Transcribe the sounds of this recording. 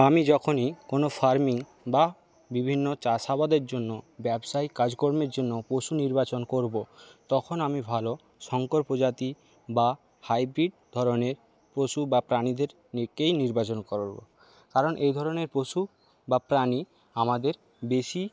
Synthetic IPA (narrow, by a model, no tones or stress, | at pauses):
amid͡ʑɔkʰonikonofʰaɾmiŋ | ba | bibʱinːot͡ɕaʃabad̪eɾd͡ʑonːobɛbʃajkad͡ʑkoɾmeɾd͡ʑonːopoʃuniɾbat͡ɕonkoɾbot̪ɔkʰonamibʱalo | ʃɔŋkoɾpod͡ʑat̪i | ba | hajbɾiɖ̚d̪ʱɔɾoneɾ | pɾoʃubapɾanid̪eɾ | nekːejniɾbat͡ɕonkoɾobo̰ | kaɾonʔejd̪ʱɔɾoneɾpɾoʃu | bapɾani | amad̪eɾ | beʃi